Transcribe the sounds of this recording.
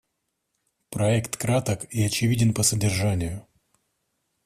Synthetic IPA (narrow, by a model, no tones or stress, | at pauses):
pɾɐɛkt̪kɾat̪əkiɐt͡ɕɪvʲidʲɪnpəsədʲɪrʐanʲɪjʊ